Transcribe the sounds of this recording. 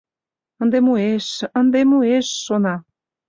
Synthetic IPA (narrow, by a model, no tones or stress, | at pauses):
ənd̪emueʃənd̪emueʃːonɑ